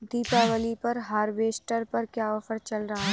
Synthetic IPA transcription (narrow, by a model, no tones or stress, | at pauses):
d̪iːpɛːʋəlipɐɾɦaːɾʋeːsʈəɾpɐɾkjaːɔfʰəɾt͡ʃɐlɾɐɦaɦɛ